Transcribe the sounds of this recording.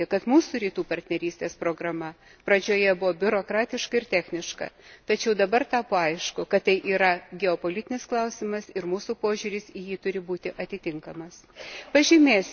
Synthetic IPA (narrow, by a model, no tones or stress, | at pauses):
ɪkɐt̪muːsuɾʲiːt̪uːpɐɾʲt̪ʲnʲɛɾʲiːst̪ʲeːspɾoːɡɾɐmɐ | pɾɐd͡ʒʲoːjɛbʊʋoːbʲʊɾoːkɾɑːt̪ʲɪʃkɐɪrt̪ʲæːxʲnʲɪʃkɐ̰t̪ɐt͡ʃʲɛʊd̪ɐbɐrt̪ɑːpoːɐɪʃkʊkɐt̪tɐɪʔiːɾɐɡʲɛoːpoːlʲɪt̪ʲɪnʲɪsklˠɐʊsʲɪmɐsɪɾmuːsuːpoːʒʲuːɾʲɪsijiːt̪ʊɾʲɪbuːt̪ʲɪʔɐt̪ʲɪt̪ʲɪŋkɐmɐspɐʒʲimʲeːsʲ